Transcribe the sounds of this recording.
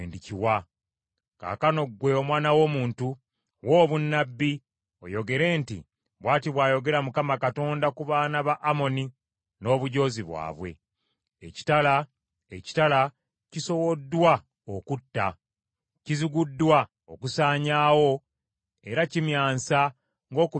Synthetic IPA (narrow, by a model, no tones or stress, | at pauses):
eːndiciwa | ka̰ːkano̞ɡwe̞omwaːnawo̞ːmuːntu | wo̞ːβunːabːi | o̞̰jo̞ɡe̞ɾe̞ːntḭ | βwaːtiβwaːjo̞ɡe̞ɾamukamakato̞ːndakuβaːnaβaʔːmo̞ni | no̞ːβuɟo̞ːziβwa̰ːβwe̞̰ | ḛci̥tala | eci̥tala | ciso̞wo̞dːwa | okutːa̰ | ciziɡudːwa | okusaːɲawo̞ | e̞ɾacimjaːnsa | ŋɡo̞ːku